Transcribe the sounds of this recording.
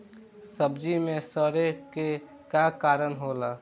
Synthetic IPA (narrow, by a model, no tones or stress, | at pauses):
səbd͡ʒimẽsəɾeke | kakaːɾənɦola